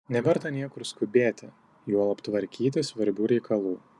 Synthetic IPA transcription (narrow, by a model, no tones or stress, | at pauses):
nʲɛʋʲɛɾt̪ɐnʲiɛkʊɾskʊbʲeːt̪ʲɪ | juːlˠɐpt̪ʋɐɾʲkʲiːt̪ʲɪsʋɐɾʲbʲuːɾʲɛɪkʰɐlˠuː